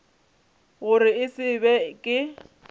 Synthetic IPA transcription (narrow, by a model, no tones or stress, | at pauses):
ɣʊrɪɪsɪbɛkʼɪ